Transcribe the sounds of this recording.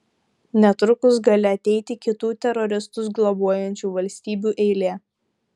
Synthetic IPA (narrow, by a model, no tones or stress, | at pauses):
nʲɛt̪ɾʊkʊs̬ɡɑlʲɪɐt̪ʲɛɪt̪ʲɪkʲɪt̪uːt̪ʲɛɾɔɾʲɪst̪ʊsɡlˠɔbuɔjɛnʲt͡ʃʲuːʋɐlʲsʲt̪ʲiːbʲuːʔɛɪlʲeː